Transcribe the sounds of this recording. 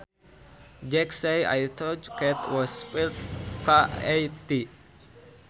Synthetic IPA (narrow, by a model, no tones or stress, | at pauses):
d͡ʒɛkseja̰jt̪ɔd͡ʒkɛt̪wɔsfilt̪̚kaejt̪i